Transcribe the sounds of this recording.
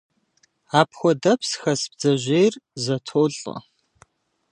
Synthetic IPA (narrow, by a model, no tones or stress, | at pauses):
aːpʰxʷɔdɐpʰsxɐsbd͡zɐʑejrzɐtʰoːɬʼɐ̰